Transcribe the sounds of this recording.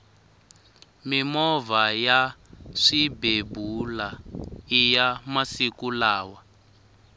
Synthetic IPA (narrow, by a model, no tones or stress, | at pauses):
mimɔvajaʂibebulaijamasikulaːwa